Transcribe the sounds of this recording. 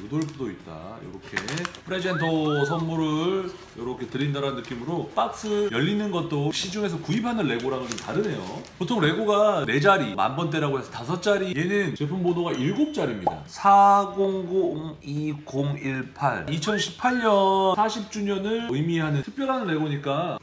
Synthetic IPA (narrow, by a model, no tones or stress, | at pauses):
jodoɭp͈udoit̚t͈a̰jʌ̰ɾʌkʰe̞̰pʰɯɾe̞d͡ʑe̞ntʰʌs̬ʰʌnmuɾɯɭ | jʌɾʌkʰe̞tɯɾindaɾaɯnːɯk͈imɯɾop͈ak̚s͈ɯjʌʎːinɯnɡʌt̚t͈oɕʰid͡ʑuŋe̞s̬ʰʌkuipʰanɯnɾe̞ɡoɾamʌnd͡ʑomta̰ɾɯne̞jo̰potʰoŋɾe̞ɡoɡane̞d͡ʑaɾima̰nbʌnt̬͈e̞ɾaɡoɦe̞sʰʌtasʰʌt͡ɕ͈aɾije̞nɯnt͡ɕe̞pʰumbodoɡaʔiɭɡop̚t͡ɕ͈aɾimɲida̰sʰaɡoŋɡoŋiɡoŋiɭpʰaɭit͡ɕʰʌnɕʰi̥pʰaɭɲʌsʰaɕʰip̚t͡ɕ͈uɲʌnɯɭɯjmiɦanɯntʰɯk̚p͈jʌɾɦanɯnɾe̞ɡoɲik͈a